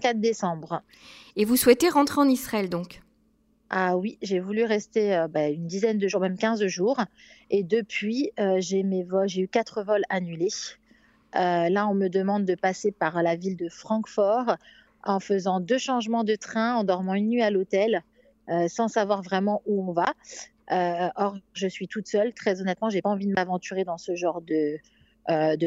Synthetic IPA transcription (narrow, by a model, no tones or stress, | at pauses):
kat̪d̪esɑ̃bʁ | evuswɛt̪eʁɑ̃t̪χeɑ̃nisχaɛld̪ɔ̃k | awiʒevulyʁɛst̪eøbaynd̪izɛnd̪əʒuʁmɛmkʲɛ̃zʒuːʁed̪əpɥiøʒemevɔlʒeykat̪χəvɔlanyle | ølaɔ̃məd̪əmɑ̃d̪̚d̪əpasepaʁlavild̪əfχɑ̃kfɔʁ | ɑ̃fəzɑ̃d̪øʃɑ̃ʒmɑ̃d̪ət̪χɛ̃ɑ̃d̪ɔʁmɑ̃ynːɥialot̪ɛl | øsɑ̃savwaʁvʁɛmɑ̃ʔuɔ̃va | øɔʁʒəsɥit̪ut̪sœlt̪χɛzɔnɛt̪mɑ̃ʒepaɑ̃vid̪əmavɑ̃t̪yʁed̪ɑ̃səʒɑ̃ʁd̪ə | d̪ə